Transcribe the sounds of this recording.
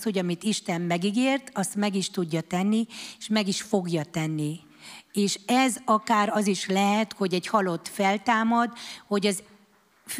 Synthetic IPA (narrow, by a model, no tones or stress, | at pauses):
sho̞ɟɒmit̪iʃt̪ɛmːɛɡiɡeːrt̪ɒst̪mɛɡiʃt̪uɟːɒt̪ɛnːieʃmɛɡiʃfo̞ɡjɒt̪ɛnːi | eːʃɛzɒkaːɾɒziʃlɛɦɛt̪ho̞ɟɛɟhɒlo̞t̪ːfɛlt̪aːmɒd̪ho̞ɟɒz | f